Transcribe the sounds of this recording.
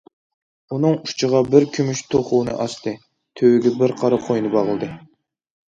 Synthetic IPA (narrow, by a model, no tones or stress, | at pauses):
unɨŋut͡ʃʰəʁɑbɪɾkʲʰymyʃt̪ʰoχuːnɨ̰ʔɑst̪ʰɨ | t̪ʰøwɡʲɛbɪɾqʰɑɾɑqʰojnɨbɑʁəlˠd̪ɨ